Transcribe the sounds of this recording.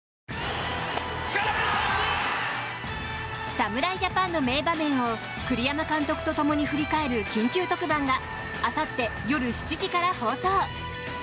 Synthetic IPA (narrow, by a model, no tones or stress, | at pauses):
samɯ̟ɾaiʑapãnːome̞ːbamẽ̞ɰ̃o̞ | kɯ̟ɾʲijamakãnt̪o̞kɯ̥t̪o̞t̪o̞mo̞ɲ̟iɸɯ̟ɾʲikae̞ɾɯ̟kʲĩŋkʲɨːt̪o̞kɯ̟bãŋɡaː | sat̪ːe̞jo̞ɾɯ̟ɕi̥t͡ɕiʑikaɾaho̞ːso̞ː